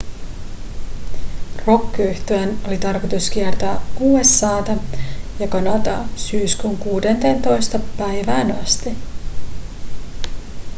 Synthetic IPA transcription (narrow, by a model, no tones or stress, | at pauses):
ro̞kːiyht̪øæno̞lit̪ɑrkot̪uskiert̪oːuːe̞sːɑːt̪ɑjɑkɑnɑt̪ɑ̰syːskuŋkuːdent̪eːnt̪o̞jst̪ɑpæjʋæːnɑst̪i